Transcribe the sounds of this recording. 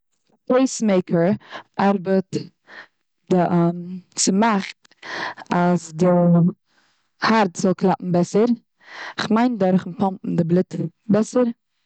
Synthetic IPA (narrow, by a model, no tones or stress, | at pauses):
poɪsmeɪkʰəɹʔaɾbət | d̥ɪʔmt͡sɪmaχt | asdɪ | haɾtzɔlˠkʰlˠapm̩bɛsəɾ | ɪχmaɪndɔɾχnpɔmpm̩dɪblˠɪt | bɛsəɾ